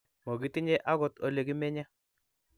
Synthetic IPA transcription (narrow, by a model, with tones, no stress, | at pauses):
mo˨ɡi˨˦ti˦ɲe˦ʔa˦ɣɔ˦to˦le˨ɡi˦mɛ˦ɲa˦